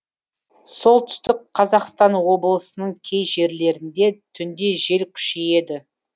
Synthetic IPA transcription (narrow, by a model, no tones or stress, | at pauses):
so̞lˠt̪ʰʏ̥st̪ɪkqʰːɑzɑqst̪ɑnwo̞bəlˠəsənəɴkʲʰe̞jʒe̞ɾle̞ɾɪnd̪e̞t̪ʰʏnd̪e̞ʒe̞lkʲʰʏ̥ʃeje̞d̪ɪ